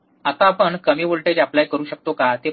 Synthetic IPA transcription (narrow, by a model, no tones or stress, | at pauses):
at̪apəɳkəmiʋoɭʈed͡ʑaplajkəɾuːɕək̚t̪okat̪e